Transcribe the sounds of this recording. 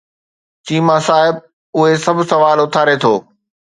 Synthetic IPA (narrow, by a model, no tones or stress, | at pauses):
t͡ɕiːmãsaːɦɪb̚ | ʊɦesɐbʱsɐʋaːlʊt̪ʰaːɾet̪ʰoː